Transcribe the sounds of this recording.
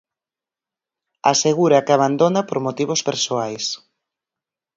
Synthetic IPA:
a̰seɣuɾakaβand̪onapoɾmot̪iβospeɾsoajs

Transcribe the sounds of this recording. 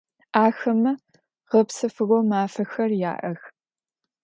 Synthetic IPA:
ʔaːxɐmɐ | ʁɐpsɨfɨɣomaːfɐxɐrja̰ːʔɐx

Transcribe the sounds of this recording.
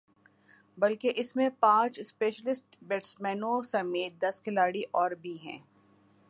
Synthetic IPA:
bɐlkeʔɪsmẽpãːt͡ʃspeːʃəlɪsʈ̚beːʈsmɛ̃ːnõsɐmeːt̪̚d̪ɐskɪlaːɽiʔɔːɾbʱiɦɛ̰̃ː

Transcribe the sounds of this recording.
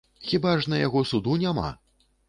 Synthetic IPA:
xʲibaʐnɐjaɣɔsud̪unʲama̰

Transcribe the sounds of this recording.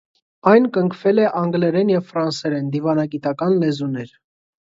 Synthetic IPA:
ɑjnkəŋkʰvɛlɛʔɑŋɡlɛɾɛnjɛvfɾɑnsɛɾɛnd̪ivɑnɑɡit̪ɑkɑnlɛzunɛɾ

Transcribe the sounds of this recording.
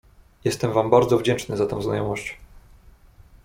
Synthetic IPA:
jɛst̪ɛmvambaɾd̪zɔvd͡ʑɛnt͡ʂnɘzat̪ɛ̰̃w̃znajɔmɔɕt͡ɕ

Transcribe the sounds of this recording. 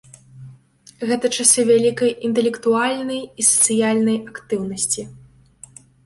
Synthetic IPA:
ɣɛt̪ɐt͡ʂasʲɛvʲalʲikɐjint̪ɛlʲɛkt̪ualʲnɐjisɐ̥t̪sɨjalʲnɐjakt̪ɨwnɐsʲt͡sʲi

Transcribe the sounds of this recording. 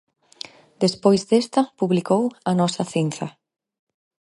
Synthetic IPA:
d̪espojzd̪est̪ɐpuβlikowɐnɔsɐθinθɐ

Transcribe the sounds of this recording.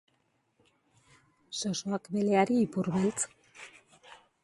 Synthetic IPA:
sosoakbe̞leaɾiːpuɾβelt͡s

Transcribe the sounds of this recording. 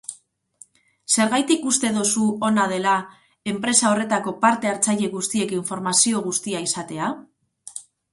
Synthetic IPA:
se̞ɾɣajt̪ikust̪e̞ðosuo̞nað̞e̞la | e̞mpɾe̞sao̞re̞t̪ako̞paɾt̪e̞aɾt͡saʎe̞ɣust̪ie̞kiɱfo̞ɾmasio̞ɣ̞ust̪iaisat̪e̞a

